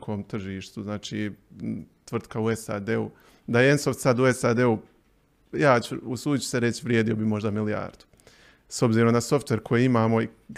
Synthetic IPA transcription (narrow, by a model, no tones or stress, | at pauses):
kʰo̞ːmt̪r̩ʒiːʃt̪uznaːt͡ʃiː | t̪ʋr̩t̪kauesa̰ːd̪e̞ṵ | d̪ajeensoft̪sad̪uesaːd̪e̞u | jaːt͡ɕuusuːd̪it͡ɕu̥seɾet͡ɕʋɾjeːd̪iobimo̞ʒd̪amilija̰ːɾd̪̥u̥ | so̞bziːɾo̞mnaso̞ft̪ʋe̞ɾkʰojeːimaːmoi